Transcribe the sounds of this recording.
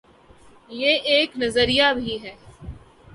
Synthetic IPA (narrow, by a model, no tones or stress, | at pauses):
jeːʔeːknɐzəɾijabʱiɦɛː